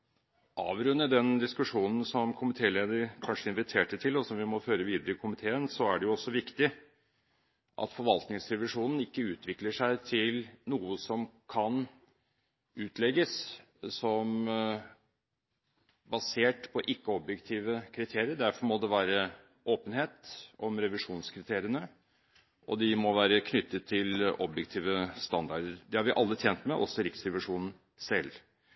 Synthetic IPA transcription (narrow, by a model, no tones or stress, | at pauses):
ʔɑ̰ːʋɾʉnːəd̪ɛnd̪ɪskʉʂuːnn̩sɔmkʰʊmɪt̪ʰeːleːd̪əɾkʰɑnʂəɪnʋɪt̪ʰeːʈəʈʰɪlɔsɔmʋɪmɔføːɾəʋiːd̪əɾəɪkʰʊmɪt̪ʰeːənsɔæɖɛjʊɔsːɔʋɪkt̪ɪ | ʔɑ̰t̪fɔɾʋɑlt̪nɪŋsɾɛʋɪʂuːnn̩ɪkːəʉːt̪ʰʋɪkləʂæɪt̪ʰɪlnuːəsɔmkʰɑn | ʉːt̪ʰlɛɡəs | sɔm | bɑseːʈpʰɔʔɪkːəɔbjɛkt̪ʰiːʋəkʰɾɪt̪ʰeːɾɪəɖ̪æɾfɔmɔd̪ɛʋæːɾə | ʔoːpənheːt̪ʔɔmɾɛʋɪʂuːnskʰɾɪt̪ʰeːɾɪənə | ʔɔ̰d̪ɪmɔʋæːɾəkʰnʏt̪ːət̪ʰːɪlʔɔbjɛkt̪ʰiːʋəst̪ɑnd̪ɑɖəɾd̪ɛhɑɾʋɪʔɑlːət̪ʰjeːnt̪mɛʔɔ̰sɔɾɪksɾɛʋɪʂuːnən̩ | sɛlː